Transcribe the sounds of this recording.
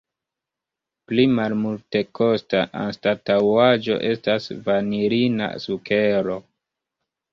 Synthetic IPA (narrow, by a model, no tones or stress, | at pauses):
plimalmulte̞kʰo̞staʔa̰nstatawad͡ʒo̞̰ʔe̞stasvaniɾina̰suke̞ɾo̞